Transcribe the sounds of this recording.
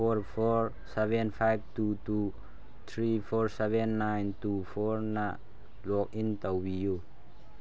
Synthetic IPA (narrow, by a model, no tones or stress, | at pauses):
ɔɹfɔɹ | sɛvɛnfʰajb̚tutu | t̪ʰɾifɔɹsɛvɛnːajnt̪ufɔɹna | lɔk̚int̪awwijo